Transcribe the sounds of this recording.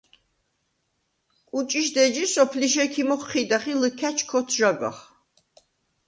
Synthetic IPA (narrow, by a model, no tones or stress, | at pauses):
kʼut͡ʃʼiʃd̪ɛd͡ʒisɔpʰliʃɛkʰimɔχχid̪aχiləkʰæt͡ʃʰkʰɔt̪ʰʒaɡa̰χ